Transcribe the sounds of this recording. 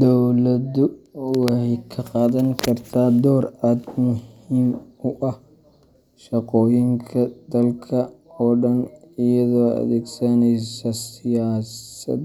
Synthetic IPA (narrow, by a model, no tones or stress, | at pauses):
d̪ɔwlɐdʊwɑhɛjkʰɐqɑːðɐŋkʰɐrt̪ʰaːd̪ɔːraːd̪mʊhiːmʊʔɐh | ʃɐqɔːjɪŋkʰɐd̪ɐlkʰɐɔːɖɐnɪjɐðɔːɐ̰ðɛːɡsɐnɛjsɐsɪjaːsɐ̰d̪